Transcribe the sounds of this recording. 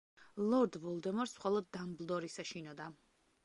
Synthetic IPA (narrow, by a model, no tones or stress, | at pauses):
lˠɔɾd̪vɔlˠd̪ɛmɔɾsmχɔlˠɔd̪ːamblˠd̪ɔɾisaʃinɔd̪a